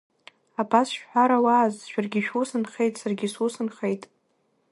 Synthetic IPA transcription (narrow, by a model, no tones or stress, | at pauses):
apʰasʃᶣħʷaɾawaːzʃᶣarɡʲɪʃᶣusɨnχejtʼsarɡʲɪsusɨnχejtʼ